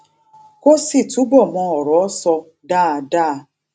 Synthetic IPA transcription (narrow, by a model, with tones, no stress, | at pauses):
ko˦si˦˨tu˨˦bɔ˦˨mɔ̃˧˦ɔ˨ɾɔ˨ɔ˦sɔ˧ | da˦˨a˧˨da˦a˧˦